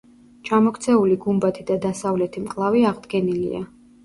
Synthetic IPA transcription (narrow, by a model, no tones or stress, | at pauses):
t͡ʃʰamɔkʰt̪sʰɛuliɡumbat̪ʰid̪ad̪asavlɛt̪ʰimkʼlˠaviaʁd̪ɡɛnilḭa̰